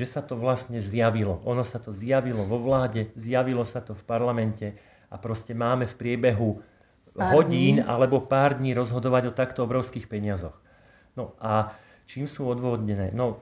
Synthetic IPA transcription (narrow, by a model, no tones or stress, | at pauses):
ʒɛsat̪ɔʋlast̪ɲɛzjaʋilɔʔɔnɔsat̪ɔzjaʋilɔʋɔʋlaːɟɛzjaʋilɔsat̪ɔfpaɾlamɛncɛ | ʔapɾɔscɛmaːmɛfpɾɪɛbɛɦu | ɦɔɟiːna̰lɛbɔpaːɾd̪ɲiːɾɔzɦɔd̪ɔʋaɟɔt̪akt̪ɔɔbɾɔʊskiːxpɛɲɪazɔx | nɔʔa | t͡ʃiːmsuːɔd̪ʋɔɦɔd̪ɲɛnɛ̰ːnɔ